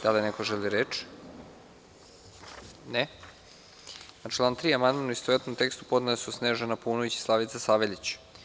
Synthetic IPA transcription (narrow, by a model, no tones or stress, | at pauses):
d̪̥alinekoʒeliɾeːt͡ʃ | ne | at͡ʃlaːnt̪ɾiːamand̪manuist̪oʋet̪nomt̪e̞kst̪u̥pod̪nasusneːʒanapuːnoʋit͡ɕi̥slˠaʋit̪sasaʋeʎʲit͡ɕ